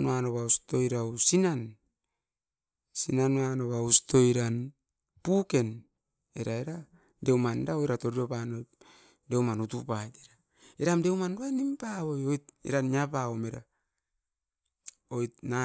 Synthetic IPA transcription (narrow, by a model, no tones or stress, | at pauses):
noanoβausto̞iɾawsinan | sinanoanoβausto̞iɾan | puke̞n | eɾaeɾa | de̞wmandaojɾato̞ɾiopanoj | de̞wmanutupajteɾa | iɾamde̞wmandoajnimpaβojojt̚ḭɾanjapaomeɾa | ojtna